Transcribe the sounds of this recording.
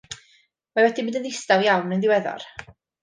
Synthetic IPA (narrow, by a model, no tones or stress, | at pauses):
mawɛdibɨːdənðɪstawjawnənðɪwɛðɔ̰r